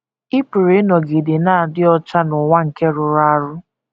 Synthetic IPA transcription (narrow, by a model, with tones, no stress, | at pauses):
ɪ˦pu˨ɾe˦nɔ˨ɡɪ˨dɪ˨naː˦˨dɪ˦ɔ˦t͡ʃa˦nʊ˨ŋʷa˦ŋ̩˨ke˦ɾʊ˨ɾa˦a˦ɾʊ˦